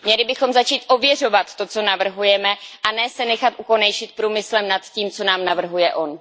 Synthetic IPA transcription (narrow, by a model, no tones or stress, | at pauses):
mɲɛlɪbɪxo̞mzat͡ʃiːt̪ʔo̞vjɛro̞vat̪ːo̞t͡so̞navr̩ɦujɛmɛʔanɛːsɛnɛxat̪ʔuko̞nɛjʃɪt̪̚pɾuːmɪslɛmnat̪ciːmt͡so̞naːmnavr̩ɦujɛʔo̞n